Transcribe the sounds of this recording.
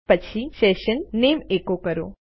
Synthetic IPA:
pət͡ɕʰiseʃənːemekokəɾo̰

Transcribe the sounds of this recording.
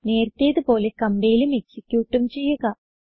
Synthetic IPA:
ne̞ːɾɐt̪ːejːɐðupo̞ːlekɐmbejilume̞ksikʲːjuːʈːumt͡ɕe̞jːuɣɐ

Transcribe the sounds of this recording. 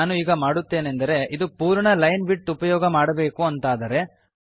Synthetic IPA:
aːnuiːɡɐmaːɽut̪ːe̞ːnend̪ɐɾe̞ʔid̪upuːɾɐɳɐlɐjnbiʈːupɐjɔːɡɐmaːɽɐbe̞ːkuɐnt̪aːd̪ɐɾe̞

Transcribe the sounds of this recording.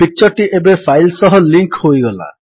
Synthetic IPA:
pik̚t͡ʃɔɾʈiʔebepʰajlsɔɦɔliŋkhojɡɔla̰

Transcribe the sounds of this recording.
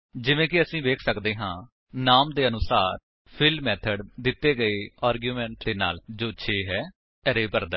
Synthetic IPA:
d͡ʒɪʋẽːkɪəsĩːʋeːkʰsəkd̪eːɦãː | naːmd̪eːənʊsaːɾ | pʰɪlmɛːt̪ʰəɖd̪ɪt̪ːeːɡəeːaːɾɡjuːmɛ̃ːɳʈd̪eːna̰ːld͡ʒoːt͡ʃʰeːɦɛː | əɾeːpəɾd̪əː

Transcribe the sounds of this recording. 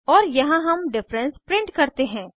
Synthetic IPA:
ɔːɾjɐɦãɦɐmɖɪfɾə̃nspɾɪ̃ɳʈkɐɾt̪eɦɛ̃ː

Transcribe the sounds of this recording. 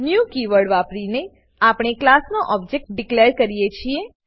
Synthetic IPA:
njukiʋəɽʋapɾine | apɽ̃eklasnoʔɔb̚d͡ʒek̚ʈ̚ɖɪkleɾkəɾijet͡ʃʰie

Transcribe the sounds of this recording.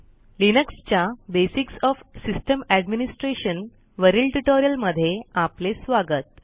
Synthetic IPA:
linəkst͡ɕjabesiksɔfsisʈəmæɖminisʈɾeɕən | ʋəɾilʈuʈoɾijəlməd̪ʱːjeaplesʋaɡət̪̚

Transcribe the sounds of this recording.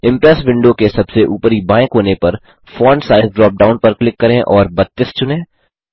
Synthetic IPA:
ɪ̃mpɾɛsʋɪ̃ɳɖokesɐbseʔuːpɾibãːɪ̃kɦoːnepɐɾ | fɔːɳɖsaːɪzɖɾɔːp̚ɖaːʊnpɐɾklɪkːɐɾẽʔɔːɾbɐt̪ːɪst͡ʃʊnẽː

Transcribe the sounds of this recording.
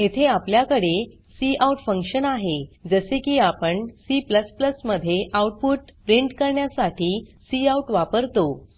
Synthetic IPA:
et̪ʰeapljakəɽe | siʔauʈfəŋkɕənaɦed͡zəsekiːapəɳsipləspləsməd̪ʱːjeʔauʈ̚puʈpɾiɳʈkəɾɳjasaʈiːsiauʈʋapəɾt̪o

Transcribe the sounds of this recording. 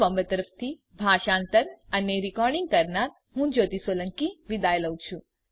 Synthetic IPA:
ʋəmbət̪əɾəfʰt̪ʰi | bʱaʃãːnt̪əɾəneɾikɔɾɖĩŋɡ̚kəɾnaɾ | ɦũd͡ʒot̪isʋoləŋkiʋid̪ajləwt͡ʃʰũ

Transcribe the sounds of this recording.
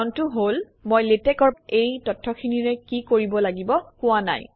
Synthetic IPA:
ntʊɦol | mojletɛkɔɹpejtɔtʰːɔkʰiniɹɛkikoɹibɔlaɡibɔkʊwana̰j

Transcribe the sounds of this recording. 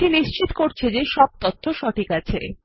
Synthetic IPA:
ʈiniʃt͡ɕit̪koɾt͡ɕʰed͡ʑeʃɔb̚t̪ot̪ʰːoʃɔʈʰikat͡ɕʰe

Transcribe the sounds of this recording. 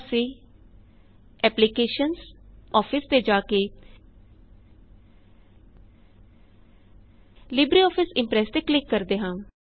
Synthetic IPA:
siː | ɛːplikeːʃənsɔːpʰɪst̪eːd͡ʒaːkeː | lɪbɾiːɔːpʰɪsɪmpɾɛːst̪eːklɪkːəɾd̪eːɦãː

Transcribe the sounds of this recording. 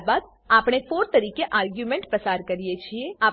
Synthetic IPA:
bad̪̚ | aːpɽ̃efoːɾt̪əɾiːkeʔaːɾɡjumẽɳʈpɾəsaɾkəɾijet͡ʃʰieaː

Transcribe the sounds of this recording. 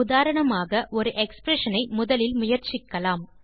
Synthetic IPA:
ʊðaːɾɐɳɐmaːɣɐʔɔɾɯʔɛkspɾɛʂɐnɐɪmʊðɐlɪlmʊjɐɾt͡ʃɪkːɐlaːm

